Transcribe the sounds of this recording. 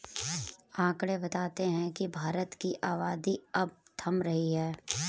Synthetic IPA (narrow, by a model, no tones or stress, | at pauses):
ãːkɽebɐt̪aːt̪eɦɛ̃kibʱaːɾət̪kiʔaːʋaːd̪iɐb̚t̪ʰɐmɾɐɦiɦɛː